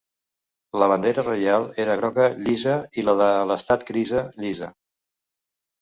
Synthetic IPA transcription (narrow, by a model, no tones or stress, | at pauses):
ləβ̞ənd̪eɾərəjalˠeɾəɣɾɔkəʎizəiləðələst̪at̪̚kɾizəʎizə